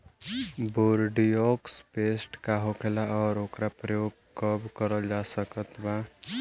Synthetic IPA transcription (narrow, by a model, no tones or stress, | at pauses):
boɾɖijɔkspesʈkaɦokʰelaɔːɾokɾapɾəjoɡ̚ | kəbkəɾəld͡ʒasəkət̪ba